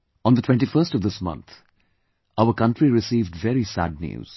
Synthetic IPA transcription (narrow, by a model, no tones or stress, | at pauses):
ɔ̃nd̪ətʰw̥ɛ̃nʈifəstɔvd̪ɪsmʌ̰̃nt̪ʰ | aʊəɾkʌ̃nʈɾiɾɪsiːvɖvɛɾisæ̰d̚njṵːz̥